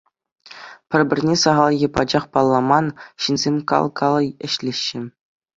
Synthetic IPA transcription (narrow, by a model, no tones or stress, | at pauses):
pʲɘ̆rʲbʲɘ̆rʲnʲesɑʁɑlˠjɤ̆pɑd͡ʑɑχpɑlˠːɑmɑnɕinzʲemʲkɑ̰lˠkʰɑlˠɤ̆jɘ̆ɕlʲeɕːɘ̆